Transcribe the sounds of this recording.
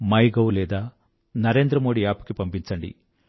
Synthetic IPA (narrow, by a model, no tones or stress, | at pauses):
mɐjɡɐwlɛːd̪aː | nɐɾe̞ːnd̪ɾɐmo̞ːɽiaːpu̥kipɐmpiɲt͡ʃɐɳɖḭ